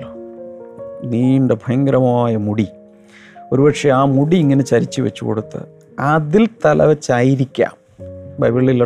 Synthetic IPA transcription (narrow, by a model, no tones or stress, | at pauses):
niːɳɖebʱɐjɐŋɡɾɐmɐmaːjɐmuɽi | o̞ɾubɐʈʂeaːmuɽiːŋːɐne̞t͡ɕɐɾit͡ɕːɨʋɐ̰t͡ɕːuko̞̰ɽut̪ːɨ̰ | ɐðilt̪ɐlʔɐ̰ʋɐt͡ɕːaːjiɾikʲːa̰ːm | bɐ̰jʋɐɭːilːɐ